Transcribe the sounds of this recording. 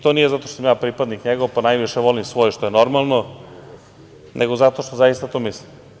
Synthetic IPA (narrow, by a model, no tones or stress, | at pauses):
t̪onijezat̪oʃt̪osamjaːpɾipad̪nikɲeɡoʋpanajʋiʃɛʋolimsʋojʃt̪ojenoɾmalˠno | nʔeɡozat̪oʃt̪ozaist̪at̪omislim